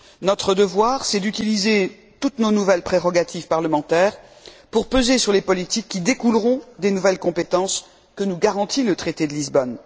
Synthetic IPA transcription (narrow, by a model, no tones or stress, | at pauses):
nɔt̪χəd̪əvwaʁsɛd̪yt̪ilize | t̪ut̪nonuvɛlpχeʁɔɡat̪ʰivpaʁləmɑ̃t̪ɛːʁpuʁpøzesyʁlepɔlit̪ikʲːid̪ekulʁɔ̃d̪enuvɛlkɔ̃pet̪ɑ̃s | kənuɡaʁɑ̃t̪ilət̪χet̪ed̪əlizbɔn